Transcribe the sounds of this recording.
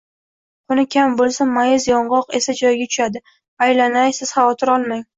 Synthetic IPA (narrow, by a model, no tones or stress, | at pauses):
ʊnɪkʲʰambolˠsamːajɪzjɒɴʁɒqesad͡ʒɒjɡʲat̪ʰʊ̥ʃad̪ɪ | ajlanajsɪz̥χavɒt̪ʰɪɾɒlˠmaŋ